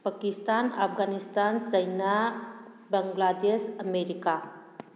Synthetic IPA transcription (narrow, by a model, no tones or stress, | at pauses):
pakistana̰pʰɡanistansɐjna | bɐŋɡladesɐmeɾika